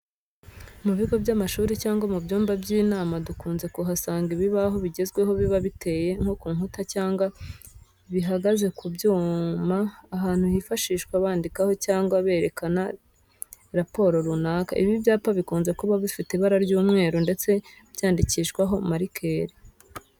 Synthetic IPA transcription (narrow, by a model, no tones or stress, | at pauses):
muβiɡo̞bɟamaʃuːɾicaːŋɡwamubɟuːmbabɟiːnaːmadukuːnze̞kuɦasaːŋɡiβiβaɦo̞βiɟe̞zɡwe̞ɦo̞βiβaβite̞ːje̞ŋho̞kuːŋhutacaːŋɡwa | βiɦaɡaze̞kʰubɟuːmaːɦaːn̥huhifaʃiːʃkwaβaːndikaho̞caːŋɡwaβe̞ːɾe̞kana | ɾapo̞ːɾo̞ɾunaka̰ʔiβibjaːpaβikuːnze̞kuβaβifiteβaɾaɾɟuːmŋe̞ːɾonde̞t͡se̞ | b̥jaːndiciʃkwaɦo̞maɾikʰe̞ːɾi